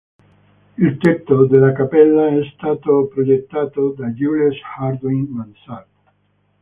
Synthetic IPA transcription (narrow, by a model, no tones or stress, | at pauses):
ilt̪ek̚t̪od̪elakapelːaesːt̪at̪opɾojek̚t̪at̪od̪ajuleshaɾd̪ojnmansat